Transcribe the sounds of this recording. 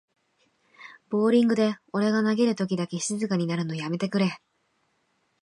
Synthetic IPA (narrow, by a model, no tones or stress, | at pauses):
b̥o̞ːɾʲĩŋɡɯ̟d̪e̞o̞ɾe̞ɡanaɡe̞ɾɯ̟t̪o̞k̬ʲid̪ake̞ɕizɨkaɲ̟inaɾɯ̟no̞jame̞t̪e̞kɯ̟ɾe̞